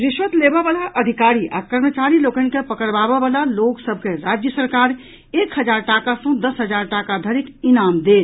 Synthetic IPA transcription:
ɾɪʃʋət̪leːbeʋaːlaʔɐd̪ʱɪkaːɾiʔa̰kəɾmət͡ʃaːɾiloːkənkepəkəɽbaːbeʋaːlaloːɡsəb̚ʱkeɾaːd͡ʒjəsəɾkaːɾ | eːkhəd͡ʒaːɾʈaːkasõd̪ɐsɦəd͡ʒaːɾʈaːkad̪ʱəɾɪkɪnaːmd̪eː

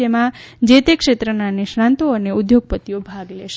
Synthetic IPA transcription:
emã | d͡ʒet̪ekʃet̪ɾənaneʃɾãnt̪oəneud̪joɡ̚pət̪ijobʱaɡleʃe

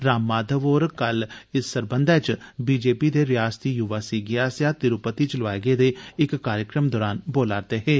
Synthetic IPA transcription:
ɾaːmːaːd̪ʱəʋoːɾkəlɪsːəɾbənd̪ʱɛːt͡ʃbiːd͡ʒeːpid̪eːɾɪjaːst̪iːjʊʋaːsiɡɪjaːsjaːt̪ɪɾʊpət̪iːt͡ʃlʋaːɡeːd̪eːɪkːaːɾjəkɾəmd̪ɔːɾaːnboːlaːɾt̪eːɦɛː

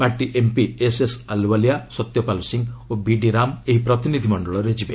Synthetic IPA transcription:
paɾʈiʔempiesesalwalijasɔt̪jɔpalusiŋɡobiɖiɾameɦipɾɔt̪inid̪ʱimɔɳɖɔɭɔɾed͡ʒibe

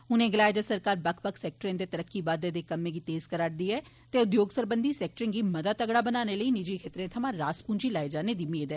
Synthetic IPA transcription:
ʊnẽːɡɪlaːɪd͡ʒəsəɾkaːɾbəkʰpəkʰsɛːk̚ʈɾẽːd̪eːt̪əɾəkːiːbaːd̪eːd̪eːkəmːẽːɡiːt̪eːzkəɾaːɽd̪iːɛː | t̪eːʊd̪joːɡsəɾbənd̪iːsɛːk̚ʈɾɪ̃ŋɡiːməd̪aːt̪əɡɽaːbənaːneːləiːnɪd͡ʒiːkʰeːt̪ɾẽːt̪ʰəmãːɾaːspuːnd͡ʒiːlaːed͡ʒaːneːd̪iːmeːd̪ɛː

